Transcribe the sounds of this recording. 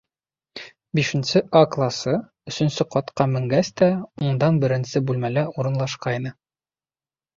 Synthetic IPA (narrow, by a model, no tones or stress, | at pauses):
biʃɘ̆nsɘʔɑklˠɑsɤ | ɵ̆sɵ̆nsɘqɒt̪qɑmɘ̆ŋɡæst̪æuɴd̪ɑnbɘ̆ɾɘ̆nsɘbʉlmælæuɾɤ̆nlˠɑʃqɑjnɤ